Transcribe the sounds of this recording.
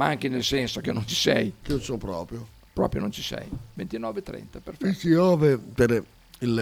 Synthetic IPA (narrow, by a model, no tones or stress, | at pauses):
maŋk̟inelsɛnsok̟enont͡ʃi̥sɛ̰jkiosopɾɔːpɾjo | pɾɔːpɾjo̰nont͡ʃi̥sɛ̰jvent̪inɔːvet̪ːɾɛ̰nt̪aperfisiɔːvet̪eɾ | il